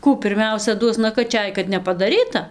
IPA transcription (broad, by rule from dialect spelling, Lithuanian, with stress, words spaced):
ˈkuː pʲɪrʲˈmʲɛʊsʲɛ ˈduɔs nɐkɐˈt͡ʃʲɛj kɐt nʲɛpɐdɐˈrʲiːtɐ